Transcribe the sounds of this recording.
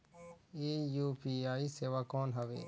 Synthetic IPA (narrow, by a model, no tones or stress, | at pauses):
eːjuːpiːaːiːseːʋaːkoːnɦəʋḛː